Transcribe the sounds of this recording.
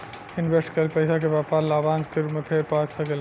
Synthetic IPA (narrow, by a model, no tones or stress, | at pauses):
inbʱesʈkəlpəɪsak̬ebapaɾlabanskeɾupmepʰeɾpaksəkel